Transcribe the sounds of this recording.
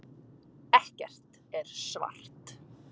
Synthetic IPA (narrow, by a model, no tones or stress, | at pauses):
ɛhcɛ̰r̥t̪ | ɛɾ̥sva̰r̥t̪